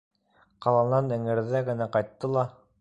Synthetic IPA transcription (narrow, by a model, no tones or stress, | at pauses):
qɑlˠɑnɑnɘ̆ŋɘ̆ɾðæɡɘ̆næqɑjt̪ːɤlˠɑ